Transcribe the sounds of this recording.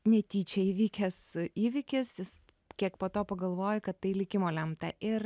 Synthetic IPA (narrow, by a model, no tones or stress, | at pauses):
nʲɛt̪ʲiːt͡ʃʲɛiːʋʲiːkʲɛsiːʋʲɪkʲɪsjɪs | kʲiɛkpoːt̪oːpɐɡɐlˠʋoːjʊkɐt̪t̪ːɐɪlʲɪkʲɪmoːlʲɛmt̪ɐʔɪr